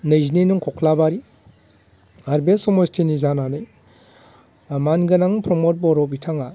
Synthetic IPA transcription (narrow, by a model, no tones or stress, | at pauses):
nɯjzninuŋkʰɔkʰlabaɾi | aɾbesɔmɔstʰinizananɯj | manɡɐnaŋpʰɾɔmot̚bɔɾɔbitʰaŋa